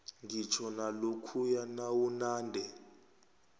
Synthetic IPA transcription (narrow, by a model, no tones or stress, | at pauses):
ŋɡit͡ʃʰɔnalokʰujanawunaːndʱɛ